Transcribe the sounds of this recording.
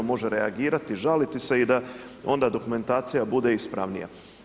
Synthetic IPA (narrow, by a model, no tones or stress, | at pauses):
omo̞ʒeɾeaɡiːɾat̪iʒalit̪ise̞id̪a | o̞nd̪ad̪o̞kume̞nt̪aːt̪sijabud̪e̞ispɾa̰ʋnḭja̰